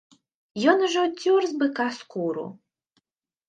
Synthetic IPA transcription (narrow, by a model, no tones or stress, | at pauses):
jɔnuʒɛwtʲːurzbɨkaskuɾṵ